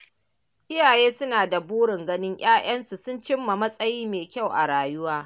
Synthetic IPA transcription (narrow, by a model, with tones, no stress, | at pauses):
ʔɪ˦jaː˨jeː˦sʊ˦naː˨da˨buː˦ɽɪ˨ŋɡɐ˦nɪ˦ŋʔaː˦ʔɐ˦nsu˨sʊ˦nt͡ʃɪ˦mːa˨mɐ˦sʼɐ˦jiː˦meː˨kʲa˦˨wʔa˨ɽaː˨jʊ˦waː˦